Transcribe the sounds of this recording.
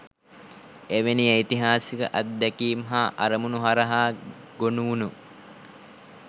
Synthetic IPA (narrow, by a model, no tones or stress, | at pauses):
eʋenieit̪iɦaːsikə̰ʔɐt̪̚d̪ɛkiːmɦaːʔaɾəmunuɦaɾɐɦaː | ɡonuʋunu